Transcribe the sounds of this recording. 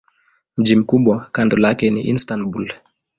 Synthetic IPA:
m̩d͡ʒimkuɓɔkandɔlakɛnḭʔḭnstanbul

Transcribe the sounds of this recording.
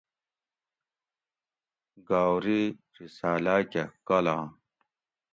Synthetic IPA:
ɡaːwɾi | ɾisaːlaːkekɐlaː

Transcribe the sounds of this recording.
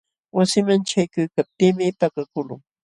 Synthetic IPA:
wasɪmant͡ʃajkʊjkap̚t̪iːmɪpakakʊlʊ̰ŋ

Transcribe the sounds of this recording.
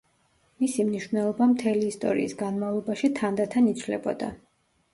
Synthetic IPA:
misimniʃvnɛlˠɔbamt̪ʰɛliːst̪ʼɔ̰ɾḭːsɡanmavlˠɔbaʃit̪ʰand̪at̪ʰanit̪t͡ʃʰlɛ̰bɔ̰d̪a̰

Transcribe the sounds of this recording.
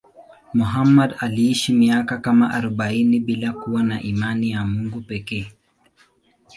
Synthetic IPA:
muɦamːadaliiʃimiakakamaʔaɾɔɓainiɓilakuwanaʔimanijamuŋɡupɛkɛː

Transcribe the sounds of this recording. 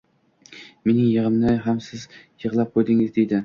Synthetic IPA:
me̞nɪŋjɨʁɨmnɪɦamsɪzjɨʁlˠap̚qʰojd̪ɪŋɪzd̪ejd̪ɪ

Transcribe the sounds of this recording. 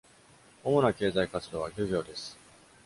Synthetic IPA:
omo̞nake̞ːzaikat͡sɨd̪o̞ːβaɡʲoɡʲo̞ːd̪e̞sɨ̥

